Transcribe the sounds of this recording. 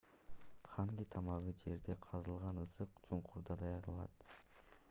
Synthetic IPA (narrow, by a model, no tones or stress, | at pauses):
χɑŋɡʲit̪ʰɑmɑʁɯd͡ʒe̞ɾd̪e̞qʰɑzɯlˠʁɑnɯsɯqd͡ʒoɴqʰuɾd̪ɑd̪ɑjɑɾd̪ɑ̰lˠɑ̰t̪̚